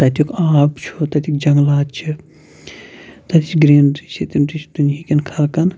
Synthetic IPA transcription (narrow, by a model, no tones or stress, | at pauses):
t̪ɐt̪ʲikaːbt͡ʃʰut̪ɐt̪ʰʲik̚d͡ʒɐŋɡlaːt͡ʃʰi | t̪ɐt̪ʲit͡ʃɡɾeːnɾit͡ʃʰit̪imɾit͡ʃʰd̪unjikʲinkʰɐlkɐn